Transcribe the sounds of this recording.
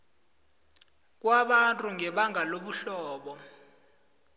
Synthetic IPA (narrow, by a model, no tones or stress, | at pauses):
k̬waɓantʼuŋʱɛɓaŋʱaloɓuɬɔːɓɔ